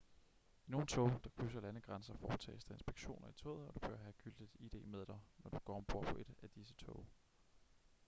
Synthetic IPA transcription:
ino̝ːn̩t͡sʰɔʊd̥ɑ̈kʰys̬ɐlænəɡ̥ʁansɐfɒːt͡sʰɛ̰ːsd̥ɐe̝nsb̥eɡ̥ɕo̝̰ːnɐit͡sʰɔ̰ːðˠɒ̽d̥ub̥øɐ̰ɦæɡ̥yld̥ið̥ˠid̥e̝̰ːmeð̞ˠd̥ɑ̈ɪnɒd̥uɡ̥ɒ̰ːmb̥ʁo̝ɐ̰pʰɔ̽ʔe̝d̥æd̥isət͡sʰɔʊ

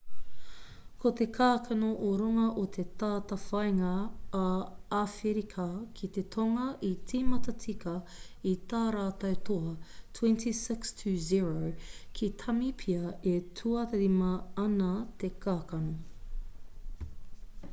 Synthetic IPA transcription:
kʰot̪e̞kʰaːkʰɐnoʔoɾuŋɐʔot̪ʰet̪aːt̪ɐfɐjŋɐː | afeɾikʰɐkʰit̪et̪ʰoŋɐʔit͡siːmɐtɐt͡sikɐ | it̪aːɾaːt̪ɐwt̪ʰoɐtʰwɛ̃ntʰisɪkstʰʉːziɹowkʰit̪ʰɐmipʰiɐetʰuɐt̪eɾimɐɐnɐt̪ekʰaːkɐno

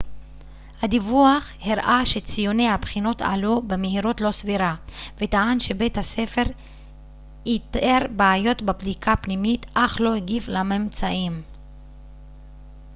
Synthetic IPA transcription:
had̪ivuaχ | hiʁʔaʃet͡sijonejhabχino̞ta̰lubemeɦiɾo̞tlo̞sviɾavetaanʃebethasefeʁ | it̪eʁbaːjo̞tbabdikʰapnimitʔaχlo̞hiɡivlamemt͡saʔim

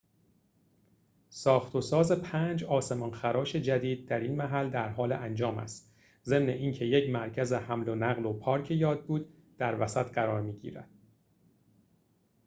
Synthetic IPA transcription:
sɒːxt̪ʰo̞sɒːze̞pʰæːnd͡ʒɒːse̞mɒnxæɾɒːʃe̞d͡ʒæd̪iːd̪̚ːæɾiːnmæɦæld̪æɾɦɒːlḛʔænd͡ʒɒːmæ̰st̪ | ze̞mne̞ʔiːncʰe̞jecmæɾcʰæzehæmlo̞næɣlopʰɒːɾcʰejɒːd̪̚buːd̪ | d̪̥æɾvæsæt̪ɢæɾɒːɾmiːɟḭːɾæ̰d̪̥

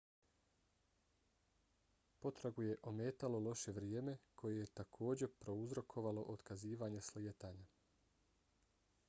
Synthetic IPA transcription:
po̞t̪ɾaɡuje̞ʔo̞meːt̪alo̞lˠo̞ʃe̞ʋɾijeːme̞kʰo̞jeje̞t̪akʰo̞ːd͡ʑe̞pɾo̞uzɾo̞kʰo̞ʋalo̞ʔod̪kaziːʋaɲeslijet̪aːɲa

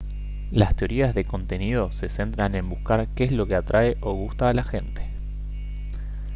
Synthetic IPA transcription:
last̪eo̞ɾiazðe̞ko̞nt̪e̞nið̞o̞se̞se̞nt̪ɾanẽ̞mbuskaɾkeezlo̞keat̪ɾʔaeʔo̞ɣ̞ust̪aːlaxe̞nt̪e̥

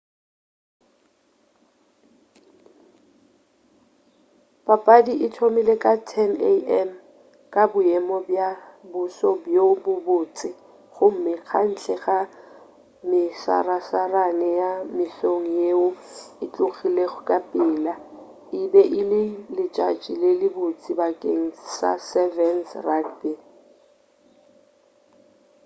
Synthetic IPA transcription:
papʼadiʔɪtʰomɪlekʼatʰɛneɛm | kʼabʊɛmɔbjabʊsɔbjobʊbʊːt͡sʼɪ | χʊm̩mɪq͡χʰan̩ɬʰɛχa | mɪsa̰rasaranɛjamɪɬoŋ̩jeʊɪt͡ɬʼʊɣileɣʊkʼapʼɪːla | ɪbɛʔɪlɪlɪt͡ʃʼat͡ʃʼilɪlɪbʊt͡sʼɪbakʼeŋ̩sa̰sɛvɛnsrakbi

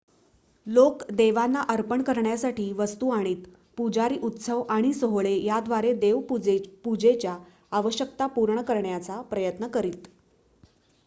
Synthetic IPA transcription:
lokd̪eʋanːaʔəɾpəɳkəɾɳjasaʈiːʋəst̪uaɽ̃iːt̪ | pud͡zaɾiːʔut̪səʋaɽ̃isəɦɭejad̪ʋaɾed̪eʋpud͡ʑet͡ɕjaː | ʋəɕjək̚t̪apuɾɳəkəɾɳjat͡sapɾəjət̪nəkəɾiːt̪

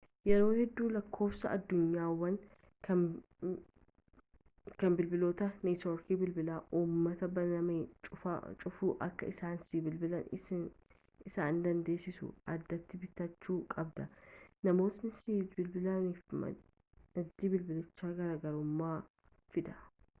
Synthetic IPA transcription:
jɛɾo̞ːhɛd̪ːuːlɐkʰːo̞ːfsɐʔɐd̪ːʊɲːaːwːɐn | kʰɐ | kɐnbɪlbɪlo̞ːt̪ɐniːt̪oːɾkiːbɪlbɪlaːʔuːmːɐt̪ɐbɐnnɐmeːt͡ʃʼʊfɐ̰t͡ʃʼʊfuːʔɐ̰kːɐ̰ɪsaːnsiːbɪlbɪlɐn | ɪsaːnd̪ɐnd̪e̞ːsɪsʊ̰ʔɐd̪ːɐt̪ːɪbɪt̪ːɐt͡ʃːuːkʼɐbd̪ɐnɐmo̞ːt̪nɪsibɪlbɪlɐniːf | nɐd̪ːiːbɪlbɪlɪt͡ʃːaːɡɐɾaːɡɐɾʊmːaː | fɪd̪ɐ

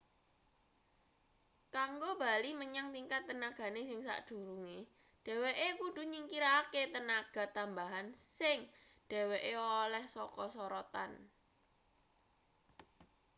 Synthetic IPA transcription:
kaŋɡob̥aliməɲaŋt̪iŋkat̪ːənaɡ̥a̤nesɪŋsa̰ʔd̥ṳɾuŋe | ɖ̥e̤weʔekuɖ̥ṳɲiŋkiɾaket̪ənaɡ̥a̤t̪ambaɦansɪŋ | ɖ̥e̤weʔeolɛhsɔkɔsɔɾɔt̪a̰n

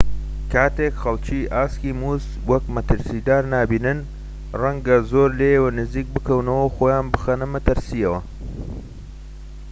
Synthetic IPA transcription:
kʰaːt̪ekxɐlˠt͡ʃiʔaːskiːmuːs | wɐkmɐt̪ɨɾsid̪aːɾnaːbiːnɨn | rɐŋɡɐzoːɾlejəwɐnɨziːk̚bɨkɐwnɐwɐwxoːjaːnbɨxɐnɐmɐt̪ɨɾsiɐwɐ

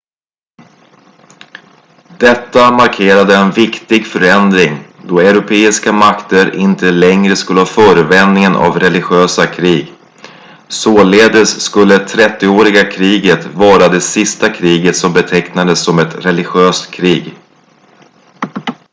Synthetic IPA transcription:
d̪̥ɛt̪ːamaɾkʰeːɾad̪əɛnvɪkt̪ɪɡfœɾɛnd̪ɾɪŋd̪ɔɛɾʊpʰeːɪskamakt̪əɾʔɪnt̪ʰəlɛŋɾəskɵlːəhɑːfœːɾəvɛnd̪nɪŋənʔa̰vɾɛlɪɧøːsakʰɾiːɡ | soːleːd̪əsːkɵlːət̪ʰɾɛt̪ːɪoːɾɪɡakʰɾiːɡət̪vɑːɾad̪ɛsɪst̪akʰɾiːɡət̪sɔmbɛt̪ʰɛknad̪əsːɔmɛt̪ɾɛlɪɧøːst̪kʰɾiːɡ

